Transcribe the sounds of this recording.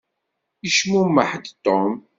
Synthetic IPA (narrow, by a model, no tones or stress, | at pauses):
iʃmumːəħd̪t̪ːɔm